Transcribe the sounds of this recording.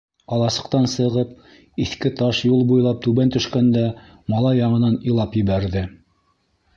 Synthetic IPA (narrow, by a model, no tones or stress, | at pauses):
ɑlˠɑsɤ̥̆qt̪ɑnsɤ̆ʁɤp | iθkɘt̪ɑʃjulˠbujlˠɑp̚t̪ʉβænt̪ɵ̆ʃkænd̪æ | mɑlˠɑjːɑɴɤ̆nɑnĭlˠɑpjɘ̆βæɾðɘ